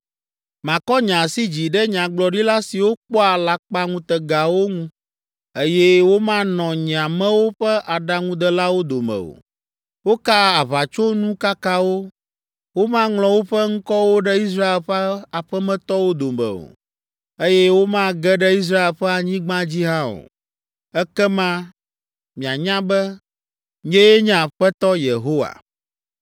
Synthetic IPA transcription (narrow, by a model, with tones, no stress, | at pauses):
mã˨kɔ˦ɲã˨si˦d͡ʑi˨ɖɛ˦ɲã˨ɡ͡blɔ˨ɖi˦la˦si˨wo˦k͡pɔ˦a˨la˨k͡pa˦ŋũ˦t̪ɛ˨ɡa˨wo˦ŋũ˦ | e˦jɛ˦wo˦mã˦nɔ̃˨ɲĩ˨a˨mɛ̃˦wo˦ɸɛ˦ʔa˨ɖa˦ŋũ˦d̪ɛ˦la˦wo˦d̪o˨mɛ̰̃˨o̰˨ | wo˦ka˦a˨βa˨t͡ʃo˦nũ˦ka˦ka˦wo˦ | wo˦mã˦ŋlɔ̃˨wo˦ɸɛ˦ŋ̩̃˦kɔ˦wo˦ɖɛ˦i˦s̬ɾa˦e˨lɸɛ˦a˨ɸɛ˦mɛ̃˦t̪ɔ˦wo˦d̪o˨mɛ̰̃˨o̰˨ | e˦jɛ˦wo˦mã˦ɡɛ˦ɖɛ˦i˦s̬ɾa˦e˨lɸɛ˦a˨ɲĩ˦ɡ͡bã˦d͡ʑi˦ɦã˦o̰˨ | ɛ˦kɛ˦mã˦ | mĩ˨a˨ɲã˦bɛ˦ | ɲɛ̃˦je˦ɲã˨ɸɛ˦t̪ɔ˦je˨ɦo˦wa̰˨